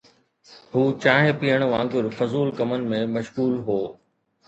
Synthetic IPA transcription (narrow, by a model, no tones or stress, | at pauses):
ɦuːt͡ɕaːɦẽpijəɽ̃ʋãːŋɡʊɾfɐzuːlkɐmənɪ̆mẽmɐʃɣuːlɦoː